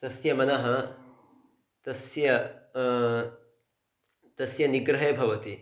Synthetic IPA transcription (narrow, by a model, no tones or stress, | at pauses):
t̪ɐsjɐmɐnɐɦɐ | t̪ɐsjɐ | t̪ɐsjɐniɡɾɐɦeːbʱɐʋɐt̪i